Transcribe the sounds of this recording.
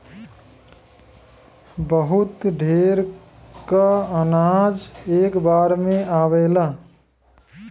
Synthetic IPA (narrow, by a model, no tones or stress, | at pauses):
bəɦut̪ɖʱeɾ | kaənad͡ʒeːkbaɾmẽaʋela